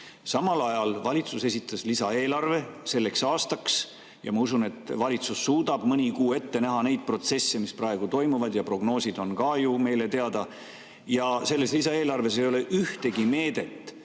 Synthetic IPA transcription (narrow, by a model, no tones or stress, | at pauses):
sɑmɑlɑjɑlvɑlʲit̪suse̞sit̪ːˑɑslisɑe̞ːlɑrve̞se̞lːe̞ksɑːst̪ɑks | jɑmɑusune̞t̪ːvɑlʲit̪susːuːd̪ɑb̥mɯnʲikuːe̞t̪ːe̞næɦɑne̞jd̪̥̚pro̞t̪se̞sːemisprɑe̞ɡ̥ut̪o̞jmuvɑd̪jɑpro̞ɡ̥no̞ːsid̪̥o̞nkɑːjume̞jle̞t̪e̞ɑd̪̥ɑ | jɑse̞lːe̞slis̬ɑeːlɑrve̞s̬ejo̞le̞ʔyht̪e̞ɡime̞ːd̪e̞t̪ːˑ